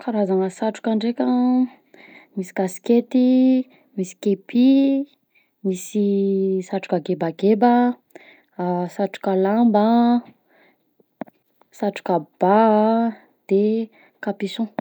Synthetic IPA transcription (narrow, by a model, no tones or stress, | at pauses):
kʰaɾazaŋəsaʈ͡ʂu̥kaɳɖ͡ʐekʲə | misi̥ɡ̥asi̥ket̪i | misi̥kepʰi | misisaʈ͡ʂu̥kaɡebaɡebə | saʈ͡ʂu̥kəlambə | saʈ͡ʂu̥kab̥a | d̪̥e | kapisõ